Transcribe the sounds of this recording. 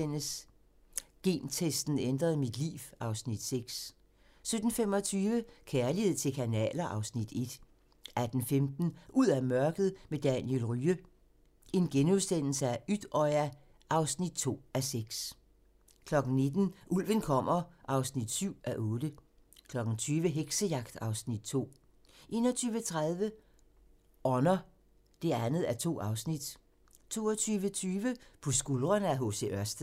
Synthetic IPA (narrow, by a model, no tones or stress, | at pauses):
en̰əs | ɡ̥e̝̰ːnt͡sʰesd̥n̩end̥ʁɐðˠmid̥lḭːʋɑ̈ʊsnid̥seɡ̥s | sød̥n̩fem̰ɒ̽t͡sʰyːʋəkʰeːɐlihe̝ð̞̰ˠt͡sʰe̝lkʰænɛ̰ːlɐʔɑ̈ʊsnid̥e̝d̥ | ʔæd̥n̩femd̥n̩ʔuð̰ˠæmɶɐɡ̥ð̞̩ˠmed̥ænjelʁyːə | e̝nɡ̥enusd̥en̰l̩səæyd̥ɒɪæ | ʔɑ̈ʊsnid̥t͡sʰo̝̰ːæseɡ̥s | kʰlɒ̽ɡ̥n̩ne̝d̥n̩ʔul̰ʋənkʰɒ̽m̰ɐʔɑ̈ʊsnid̥syʊ̰ʔæʔɔ̽ːd̥ə | kʰlɒ̽ɡ̥n̩t͡sʰyːʋəɦeɡ̥səjɑ̈ɡ̥̚d̥ɑ̈ʊsnid̥̚t͡sʰo̝̰ː | ʔe̝̰ːnɒt͡sʰyːʋət͡sʰʁaðˠʋə | ʔɒnɐ | d̥e̝ænð̩ˠæɐt͡sʰo̝̰ːɑ̈ʊsnid̥ | t͡sʰo̝̰ːɐt͡sʰyːʋət͡sʰyːʋəpʰɒ̽sɡ̥ulˠʁɐnəæɦo̝se̝̰ʔɶɐsd̥